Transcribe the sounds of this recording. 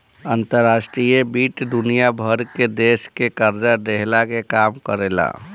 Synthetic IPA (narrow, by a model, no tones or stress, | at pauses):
ənt̪əɾːasʈɾijebiʈd̪unijabʱəɾked̪eskekəɾd͡ʒad̪eɦlakekamkəɾela̰